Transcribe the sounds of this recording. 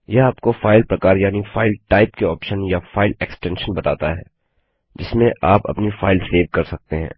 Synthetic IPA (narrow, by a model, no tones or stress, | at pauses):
jeaːp̚kofaːɪlpɾɐkaːɾjaːnifʰaːɪlʈaːɪpkeɔːpʃənjafaːɪleksʈɛ̃ːnʃənbɐt̪a̰ːt̪aɦɛ̰ː | d͡ʒɪsmẽʔaːpɐ̰pnifaːɪlseːʋkɐɾsɐk̚t̪eɦɛ̰̃ː